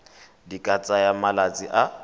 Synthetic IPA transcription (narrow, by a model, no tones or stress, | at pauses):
dikʼat͡sʼajamalat͡sʼiʔa